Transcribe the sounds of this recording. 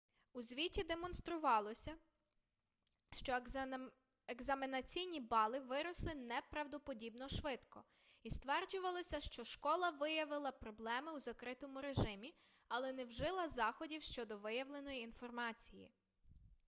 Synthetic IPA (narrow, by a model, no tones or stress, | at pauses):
uzʲʋʲitʲid̪e̞mɔnst̪ɾʊʋɑlˠɔsʲɐ | ʃt͡ʃɔ | eɡzɐminɐt͡sʲijnʲibɑlˠɪʋɪɾɔslˠɪnɛpɾɐwd̪ɔpɔdʲibnɔʃʋɪt̪kɔ | ist̪ʋɛrd͡ʒʊʋɐlˠɔsʲɐʃt͡ʃɔʃkɔlˠɐʋɪjɐʋɪlˠɐpɾɔblˠɛmɪwzɐkɾɪt̪ɔmʊɾeʒɪmʲi | ɐlˠɛnɛwʒɪlˠɐzɑxɔdʲiwʃt͡ʃɔd̪ɔʋɪjɐʋlˠe̞nɔjiːnfɔrmɑt͡sʲijḭ